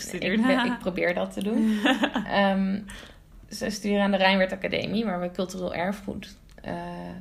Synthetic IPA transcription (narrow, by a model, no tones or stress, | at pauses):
dɪk̚prowbɪːɹdɑtədunʔəm | səjstyːɾəaːndərɛjnʋɛɹtakadḛjmiʋaːɹʋəkɵlˠtyreːlˠʔɛɹfχṵt | ə